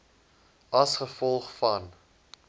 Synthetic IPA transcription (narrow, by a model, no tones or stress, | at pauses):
ɐsχəfɔlˠχfɐn